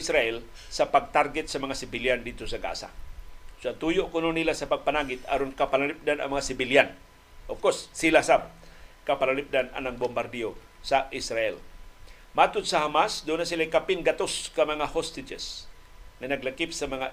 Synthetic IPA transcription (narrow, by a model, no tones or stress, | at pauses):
sɾaɛl | sapaɡ̚t̪arɡɛt̪̚səmaŋasibiliandit̪usaɡa̰sa̰suat̪ujuʔkunonilasapak̚panaɡɪt̪a̰ɾunkapalalip̚dana̰maŋasibilian | ɔfkɔssilahsab̚kapalalip̚dana̰naŋ̚bɔmbardio | saʔisɾaɛl | mat̪ut̪̚saɦamasdonasilajkapinɡat̪uskamaŋahɔst̪id͡ʒə̰s | ŋənaɡləkip̚səmaŋa